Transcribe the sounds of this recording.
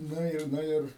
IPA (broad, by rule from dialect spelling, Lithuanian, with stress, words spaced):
ˈnʊ ɪr ˈnʊ ɪr